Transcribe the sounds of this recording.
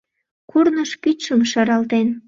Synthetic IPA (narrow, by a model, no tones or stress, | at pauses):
kurnəʃkyt͡ɕʃəmʃɑɾɑlt̪en